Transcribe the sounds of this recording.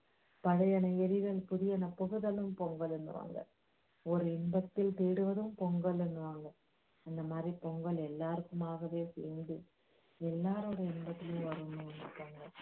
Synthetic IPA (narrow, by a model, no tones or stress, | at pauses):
pɐɻɐjɐnɐeɾiɣɐlpuðɪjɐnɐpoɣɯðɐlɯmpɔŋɡɐlenːɯʋa̰ːŋɡɐ̰ | ɔɾɯɛmbɐt̪ːɪlt̪eːɽɯʋɐðɯmpoŋɡɐɭɛnːɯʋaːŋɡɐ | ɐnd̪ɐmaːd̪ripoŋɡɐɭɛlːaːrɯkːumaːɣɐʋeːsḛːnd̪ɯ | ɛlːaːɾoɽɐimbɐt̪ːɪlumʋɐɾunːunːɐpːɐːŋɡɐ